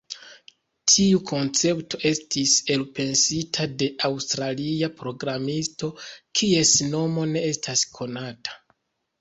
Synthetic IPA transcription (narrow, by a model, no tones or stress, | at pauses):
tʰiukʰo̞nt͡se̞pto̞ʔe̞stise̞lpe̞nsitʰade̞ʔawstɾaliapɾo̞ɡɾamisto̞kʰie̞sno̞mo̞ne̞e̞staskʰo̞natʰḁ